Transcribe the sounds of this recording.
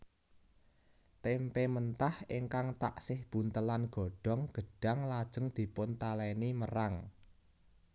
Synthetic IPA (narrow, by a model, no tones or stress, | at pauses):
t̪ɛmpemənt̪ahiŋkaŋt̪a̰ʔsɪhb̥ṳnt̪əlanɡ̥ɔ̤ɖ̥ɔ̤ŋɡ̥ə̤ɖ̥a̤ŋlad̥ʒ̥ə̤ŋd̪̥i̤pʊnt̪alɛniməraŋ